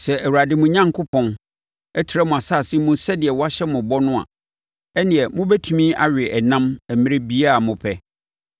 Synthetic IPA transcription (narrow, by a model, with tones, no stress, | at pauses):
sɛ˨ʔæ˨wu˨ɾa˨dɪ˦mʊ̃˨ɲã˦ŋkʰʊ˦pʰɔ̃˦n | ɛ˦tʰɪ˨ɾɛ˦mʊ̃˨a˨sa˦˨sɪ̃˦mʊ̃˦sɛ˦dɪ˨ɛ˨wɔ˦a˦ɕɛ˦mʊ̃˨bɔ˦nʊ̃˦ã̰˨ | ɛ˦nɪ̃˨ɛ˨mʊ̃˦bɛ˦tʰũ˨mĩ˦a˨ɥᶣɪ˨ʔɛ˨nã˦mɛ˨mĩ˦ɾe˦bi˦a˦˨mʊ̃˨pʰɛ˦